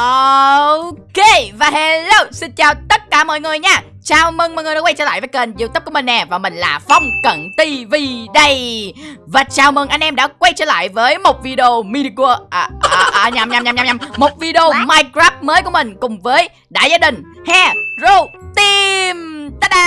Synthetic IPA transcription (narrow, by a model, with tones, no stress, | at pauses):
ʔo˧ | ke˧vaː˨˩ɦɛ˧lə˧˩wsï˧nt͡ɕaː˨˩wt̪ə˦˥t̚kaː˧˩mɔ̰˧˨jŋɨ˨˩əjɲaː˧˩ | t͡ɕaː˨˩wmɨ˧˩ŋmɔː˨jŋɨ˨˩ɗaː˧˥wa˧jt͡ɕəː˧la̰ː˧˨vəː˨˦jkə˨˩nzi˧˨t̪ːp̚ku˧˩əmi̟˨˩nɛ˨˩vaː˨˩mï˨˩ŋ̟laː˨˩fwŋ͡mkə̰˧˨nt̪i˧vi˧ɗə˧j | vaː˨˩t͡ɕaː˨˩wmɨ˨˩ŋʔa˧ŋ̟ʔɛ˧mɗa̰ː˧˥kwa˧jt͡ɕə̰ː˧la̰ː˧˨jvəː˨˦jmo˨˩t̚vi˧ɗe˧o˧mi˧ɗi˧ku˧ʔʔʔa˧˩ɲa˨˩mɲa˨˩mɲa˨mɲa˨mɲa˨˩mmo˨˩t̚vi˧ɗi˧o˧maː˧jkɾaː˦˥p̚məː˨˦jku˧˩əmï˨˩ŋ̟kʊ˨˩ŋ͡mvəː˨˦j | ɗa̰ː˧˨jzaː˧ɗï˨˩ŋ̟ | hɛ˧zo˧˩t̪i˧mt̪ə˧˦˧